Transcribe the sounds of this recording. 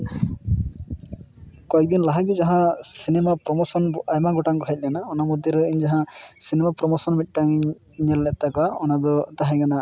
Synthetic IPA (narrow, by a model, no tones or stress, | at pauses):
kɔɛk̚d̪inlaɦaɡid͡ʒaɦãsinɛmapɾɔmɔsɔnajmaɡɔʈaŋkɔɦɛjt̪̚lijanaɔnamɔd̪ʱjɔɾiɲd͡ʒaɦãsinɛmapɾɔmɔsɔnmit̪̚ʈaŋɲ | ɲɛlːɛt̪akaɔnad̪ɔd̪aɦãɡana